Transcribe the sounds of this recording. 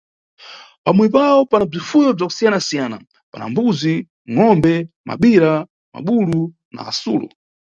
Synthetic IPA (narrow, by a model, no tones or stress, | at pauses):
pamwɛp̬aɔpanab͡ʐifujɔb͡ʐaku̥sijanasijana | pana̰mbuzi | ŋɔmbɛ | ma̰ɓiɾa | ma̰ɓulu | na̰ːsuːlɔ̰